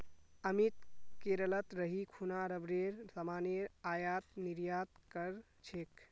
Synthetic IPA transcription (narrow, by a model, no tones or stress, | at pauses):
əmit̪keɾələt̪ɾəɦikʰunaɾəbɾeɾsəmaneɾajat̪niɾjat̪kəɾ | t͡ʃʰek